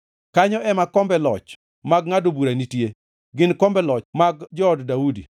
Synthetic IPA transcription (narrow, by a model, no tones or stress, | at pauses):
kaɲɔʔɛmakɔmbɛlɔt͡ʃ | maɡŋadobuɾanitje | ɡɪnkɔmbɛlɔt͡ʃmaɡd͡ʒɔːddaudḭ